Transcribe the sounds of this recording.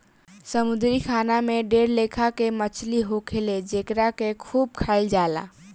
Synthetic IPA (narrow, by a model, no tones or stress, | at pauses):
səmud̪ɾikʰanameɖeɾlekʰakemət͡ʃʰliɦokʰeled͡ʒekɾakekʰub̚kʰaɪld͡ʒala̰